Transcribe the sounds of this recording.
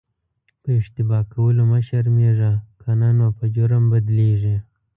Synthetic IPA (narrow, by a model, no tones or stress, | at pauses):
pəɪʂt̪ɪbɑkawəloməʃaɾmeʐakʰanɑnwapəd͡ʒʊɾəmbad̪leʐi